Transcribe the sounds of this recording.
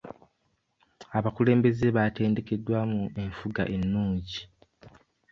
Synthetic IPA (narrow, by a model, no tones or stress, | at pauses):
aβakule̞ːmbe̞ze̞βate̞ːnde̞ke̞dːwaːmue̞ɱfuɡa̰ʔe̞nːuːɲɟi